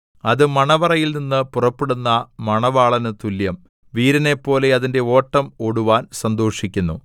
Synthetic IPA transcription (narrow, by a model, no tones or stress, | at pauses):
ɐðɨmɐɳɐʋɐrɐjilninːɨpurɐpːeɽunːɐmɐɳɐʋaːɭɐnɨt̪uljɐm | ʋiːɾɐne̞pːo̞ːle̞ɐðinde̞o̞ːʈːɐmo̞ɽuʋaːnsɐnd̪o̞ːʂikʲːunːṵ